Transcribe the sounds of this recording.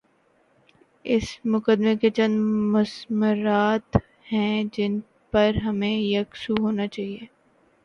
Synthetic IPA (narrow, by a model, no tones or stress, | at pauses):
ɪsmʊkəd̪meket͡ʃɐ̃nd̪mʊsmʊɾaːt̪ | hɛ̃d͡ʒɪn | pɐɾɦɐmẽjɐksuɦoːnat͡ʃaːɦieː